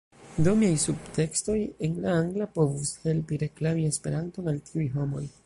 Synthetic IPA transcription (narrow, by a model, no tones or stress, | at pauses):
domiajsubte̞ksto̞je̞nlaaŋɡlapo̞vushe̞lpiɾe̞klamie̞spe̞ɾanto̞naltʰiujɦo̞mo̞j